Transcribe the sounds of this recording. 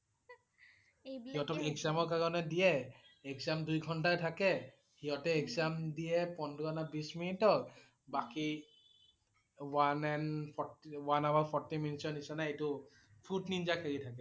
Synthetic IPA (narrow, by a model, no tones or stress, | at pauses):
hiɦɔtɔkɛkzamɔɹkaɹɔnɛdijɛ | ɛkzamdujɡʱɔntajtʰakɛ | hiɔtɛɛkzamdijɛpɔndʱɡɔnabisminitɔk | baki | wanɛnpʰɔwanawaɹpʰɔɹtiminitsɔnisanaejtʊ | pʰudnind͡ʒakʰeɹitʰakɛ